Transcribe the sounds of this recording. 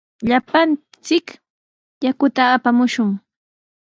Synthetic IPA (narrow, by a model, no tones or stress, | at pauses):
ʎapan | t͡sɪk | jakʊt̪aːpamʊʃʊŋ